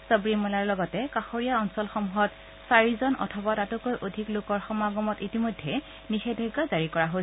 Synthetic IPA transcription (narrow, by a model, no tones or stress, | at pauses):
səbɹimɔlaɹlɔɡɔtɛkaxoɹijaɔnsɔlxɔmuɦɔt | saɹizɔnʔɔ̰tʰɔbatatʊkojʔodʱiklokɔɹxɔmaɡɔmɔtitimojdʱːɛ | nixebʱɛɡːazaɹikɔɹaɦos